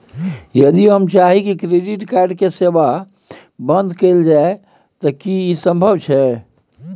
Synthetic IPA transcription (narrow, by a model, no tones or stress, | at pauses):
jəd̪iɦəmt͡ʃaɦikikɾeɖiʈkaɾɖkeseba | bənd̪kəɪld͡ʒae | t̪əkiisəmbʱəbt͡ʃʰɛ